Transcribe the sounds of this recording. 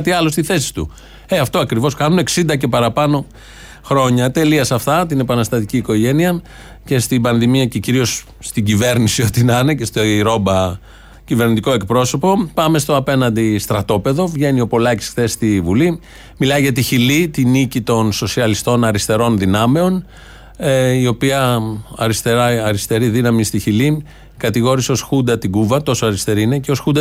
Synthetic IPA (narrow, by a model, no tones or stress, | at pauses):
t̪iɐlo̞st̪iθe̞si̥st̪ṵ | e̞ɐft̪o̞ɐkɾivo̞skɐnune̞ksind̪ɐce̞pɐɾɐpɐno̞ | xɾo̞ɲɐt̪e̞liɐsɐft̪ɐt̪ine̞pɐnɐst̪ɐt̪iciːko̞ʝe̞niɐ | ce̞st̪ibɐnðimiɐceciɾio̞s | st̪iɟive̞ɾnisio̞t̪inɐne̞ce̞st̪oiɾo̞bɐ | cive̞ɾnit̪iko̞e̞k̚pɾo̞so̞po̞pɐme̞st̪oɐpe̞nɐnd̪ist̪ɾɐt̪o̞pe̞ðo̞vʝe̞nio̞po̞lɐci̥sxθe̞st̪ivuli | milɐjʝɐt̪içilit̪inicit̪o̞nso̞siɐlist̪o̞nɐɾist̪e̞ɾo̞nðinɐme̞o̞n | eio̞piɐɐɾist̪eɾɐɐɾist̪e̞ɾiðinɐmist̪içili | kɐt̪iɣo̞ɾiseo̞sxund̪ɐt̪iɡuvɐt̪o̞soɐɾist̪e̞ɾiine̞ceo̞sxund̪ɐ